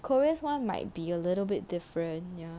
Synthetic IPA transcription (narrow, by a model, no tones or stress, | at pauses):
kʰɔɹiəswãnma̰ɪt̚biəlɪɾl̩bɪt̚d̥ɪfɹə̃nja